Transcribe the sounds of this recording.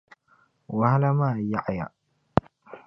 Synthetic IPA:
wa˨ha˦la˦maː˦˨ja˦˨ʔja̰˨

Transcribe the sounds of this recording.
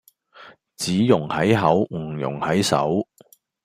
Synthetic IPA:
t͡siː˨˥jʊ˨˩ŋhɐ˨˥jɦɐ˨˥wŋ̩˨˩jʊ̰˨˩ŋhɐ˨˥jsɐ̰˨˥w

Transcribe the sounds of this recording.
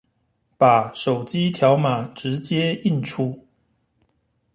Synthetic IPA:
pa˨˩ʂo˨˩ʊt͡ɕi˦t̪ʰja˨˦ʊma˨˩ʈ͡ʂɻ̩˨˦t͡ɕjɛ˦i˥˨nʈ͡ʂʰu˦

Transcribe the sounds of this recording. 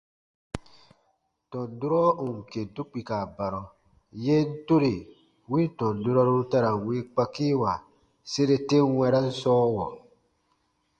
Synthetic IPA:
tɔ̃˨du˦ɾɔ˦o˨ŋ̩˨ke˨tu˦k͡pi˨ka˨ba˨ɾɔ˨ | je˦n̩˦to˦ɾe˨ | wĩ˦n˦tɔ̃˨du˦ɾɔ˦ɾo˦ta˦ɾa˨we˦k͡pa˦ki˦wa˨ | se˦ɾe˦te˦wɛ̃˧˦ɾa˦n̩˦sɔː˦wɔ˨

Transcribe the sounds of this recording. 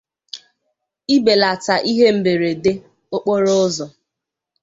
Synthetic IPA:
i˦be˨la˨ta˨ʔi˦ɦe˦m̩˦be˨ɾe˨de˦ | o˦k͡po˦ɾo˦ʊ˦zɔ˨

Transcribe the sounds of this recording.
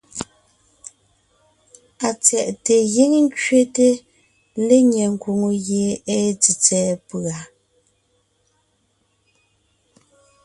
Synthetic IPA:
a˨t͡sɛ˨ʔte˨ɣi˦ŋŋ̩˦kɥe˦te˦ | le˦ɲɛ˨ŋ̩˨kwo˨ŋo˨ɣje˨e˦t͡si˨t͡sɛː˨pa˨

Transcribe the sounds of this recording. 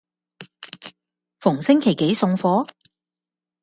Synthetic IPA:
fʊ˨˩ŋsɪ˥ŋkʰe˨˩jke˨˥jsʊ˧ŋfɔː˨˥

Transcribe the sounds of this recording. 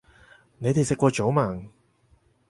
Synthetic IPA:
ne˨˧jt̪e˨jsɪ˨kʷːɔː˧t͡ʃo˨˥wmaː˨˩ŋ

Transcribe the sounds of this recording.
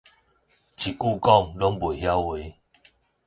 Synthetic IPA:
t͡ɕʰi˨˩ku˥˧kɔ˥˧˨ŋlɔ˦ŋbwe˨˩˨ɦja˦we˨˦

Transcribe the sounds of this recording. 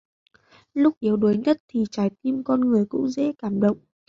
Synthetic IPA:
lʊ˦˥k͡p̚ʔi˨˦əwɗo˨˦jɲə˦˥t̚t̪ʰi˨˩t͡ɕaː˨˩jt̪i˧mkɔ˧nŋɨ˨˩əjkʊ̰˧˥ŋ͡mzɛ̰˧˥kaː˧˩mɗə̰˧˨wŋ͡mʔ

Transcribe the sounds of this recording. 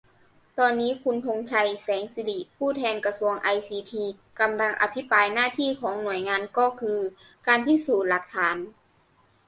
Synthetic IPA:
t̪ɔː˧nːiː˦˥kʰu˧nt̪ʰo˧ŋt͡ɕʰa˧jsɛː˩˦ŋsi˧li˨˩pʰuː˥˩t̪ʰɛː˧nka˧su˧əŋʔa˧jsiː˧t̪ʰiː˧ | ka˧mla˧ŋʔa̰˧pʰi˦˥paː˧jnaː˥˩t̪ʰiː˥˩kʰɔː˩˦ŋnu˨˩əjŋaː˧nkɔː˥˩kʰɯː˧ | kaː˧nt̪ʰiː˥˩suː˨˩t̪̚la˨˩k̚t̪ʰaː˩˦n

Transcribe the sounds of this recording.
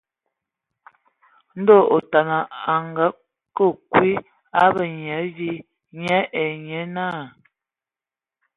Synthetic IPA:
n̩˦do˦˨o˨ta˨na˨a˨ŋɡa˦ | kə˦˨kwi˦ | a˦bə˨ɲ˨ɛ˨˦vi˦ | ɲɛ˦ʔɛ˨ɲɛ˨˦na˦˨

